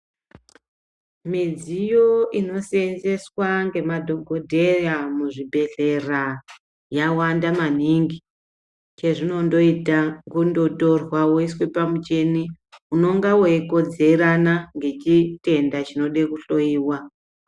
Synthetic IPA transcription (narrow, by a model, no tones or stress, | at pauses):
mid͡zijoino̞senze̞swaŋɡe̞madʱo̞ɡʱo̞dʱe̞ramuʐibʱe̞ɬe̞ra | jawandaman̤iŋɡi | t͡ʃe̞ʐino̞ndo̞itaŋɡundoto̞rwawoiswepamut͡ʃe̞ni | uno̞ŋɡawoeko̞d͡ze̞ɾanaŋɡe̞t͡ʃite̞ndat͡ʃino̞ɗekuɬo̞iːwa